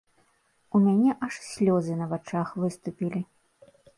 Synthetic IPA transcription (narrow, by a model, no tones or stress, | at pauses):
umʲanʲɛʔɐʂsʲlʲɔzɨnɐvat͡ʂaxvɨst̪upʲilʲi